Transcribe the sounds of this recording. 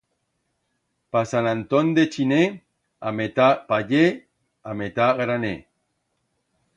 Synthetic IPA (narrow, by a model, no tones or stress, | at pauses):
pasanant̪ond̪et͡ʃine | amet̪apaʎe | amet̪aɣɾane